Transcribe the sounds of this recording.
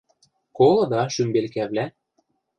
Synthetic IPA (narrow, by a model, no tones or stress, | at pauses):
kolˠɤ̆d̪ɑʃymbelkæβlæ